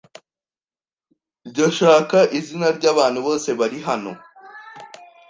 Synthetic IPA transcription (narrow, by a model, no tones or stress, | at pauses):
ɾɟoʃaːkaʔizinaɾɟaːβaːn̥huβo̞ːse̞βaɾiɦano̞̰